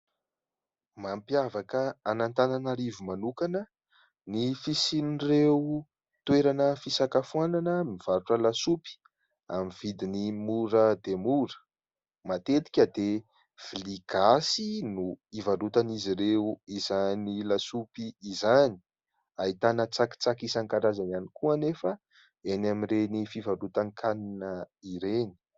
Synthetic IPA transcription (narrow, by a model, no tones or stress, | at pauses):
mampiavakəanant̪ananaɾivumanukanə | nifisinreu | t̪weɾanəfisakafuananəmiv̥aɾuʈ͡ʂəlasupi̥ | a̰miv̥id̪inimuɾəd̪emuɾə̥ | mat̪et̪i̥kʲəd̪e | v̥iliɡ̥asinuivaɾut̪aniziɾeuizanilasupiːzani̥ | ait̪anət͡saki̥t͡sakisankaɾazananikuanefə | enamirenifivaɾut̪ankʰaninəiɾeni̥